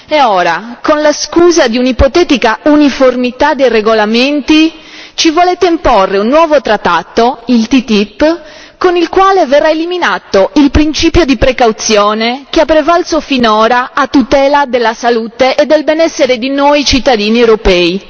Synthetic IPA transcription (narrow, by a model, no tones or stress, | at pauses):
ɛɔːɾakonlaskuːzad̪iunipot̪ɛt̪ikauniformit̪ad̪ejreɡolament̪i | t͡ʃivolɛt̪ːeimpɔrːeunːwɔːvot̪ɾat̪ːat̪ːoilt̪it̪ipː | konilkwaːlevɛrːaeliminaːt̪oilpɾint͡ʃiːpjod̪ipɾekawt̪sjɔːnek̟eapːɾevalsofinɔːɾaːt̪ːut̪ɛːlad̪elːasaluːt̪eʔed̪ːelbɛnɛsːeɾed̪inoːjt͡ʃit̪ːad̪iːniewɾopɛːi